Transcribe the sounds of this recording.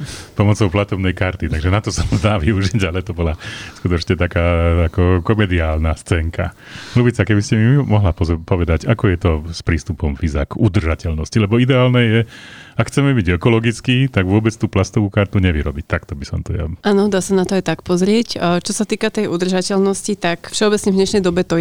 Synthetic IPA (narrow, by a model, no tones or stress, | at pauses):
pɔmɔt͡sɔʊplat̪ɔbnɛjkaɾt̪it̪aɡʒɛnat̪ɔsɔmzd̪aːʋiuʒiɟalɛt̪ɔbɔlaskut̪ɔt͡ʃɲɛt̪akaːakɔkɔmɛd̪iaːlnast͡sɛːŋka̰ | ɾuːbit͡sakɛbiscɛmimɔɦlappɔʋɛd̪aɟakɔjɛt̪ɔspɾiːst̪upɔmviza̰kud̪r̩ʒacɛlnɔscilɛbɔid̪ɛaːlnɛjɛakxʰt͡sɛmɛbiɟɛkɔlɔɡit͡skiːt̪aɡʋʊɔbɛt͡st̪uːplast̪ɔʋuːkaɾt̪uɲɛʋiɾɔbic̚t̪akt̪ɔbisɔmt̪ɔja̰aːnɔd̪aːsanat̪ɔajt̪akpɔzɾɪɛct͡ʃɔsat̪iːkat̪ɛjʔud̪r̩ʒacɛlnɔscit̪akfʃɛɔbɛt͡sɲɛvɲɛʃnɛjd̪ɔbɛt̪ɔ